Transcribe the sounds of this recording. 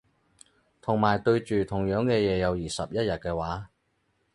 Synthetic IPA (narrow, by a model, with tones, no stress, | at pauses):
t̪ʰʊ˨˩ŋmaː˨˩jt̪ɵ˧ɥt͡ʃyː˨t̪ʰʊ˨˩ŋjœː˨˥ŋkɛː˧jɛː˨˧jɐ˨˧wjiː˨˩sɐ̰˨p̚jɐ˥t̚jɐ˨t̚kɛː˧waː˨˥